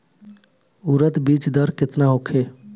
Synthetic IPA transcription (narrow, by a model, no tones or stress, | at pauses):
uɾət̪biːt͡ʃd̪əɾkɪt̪naɦokʰeː